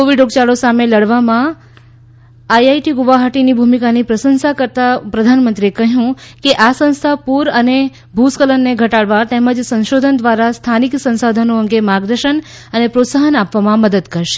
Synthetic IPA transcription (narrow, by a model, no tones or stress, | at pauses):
koʋiɖoɡt͡ʃaɽosameləɽʋamã | ajajʈiɡuʋaɦaʈinibʱumikanipɾəsənsakəɾt̪apɾəd̪ʱanmənt̪ɾiekəɦjũkeʔasə̃ñst̪ʰapuɾəne | bʱuskələnːeɡʱəʈaɽʋat̪ɛməd͡ʒsə̃nʃod̪ʱənd̪ʋaɾast̪ʰaniksə̃nsad̪ʱənoəŋɡemaɡd̪əɾʃən | ənepɾot̪saɦənapʋamãməd̪əd̪kəɾʃe̥